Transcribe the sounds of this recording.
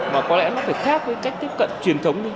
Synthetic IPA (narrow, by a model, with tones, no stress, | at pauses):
maː˨˩kɔ˨˦lɛ̰˧˥nɔ˨˦faː˧˩jxaː˦˥k̚vəː˨˦jka˦˥jk̚t̪i˦˥p̚kə̰˧˨nt͡ɕwi˨˩ənt̪ʰə˨˦wŋ͡mɗɨ˧˦